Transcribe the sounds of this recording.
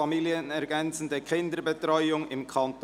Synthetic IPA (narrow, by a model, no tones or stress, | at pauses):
ɑmiːljənɛʁɡɛnt͡sn̩deːkʰɪndəbətʁɔʏʊŋɪmkʰɑnt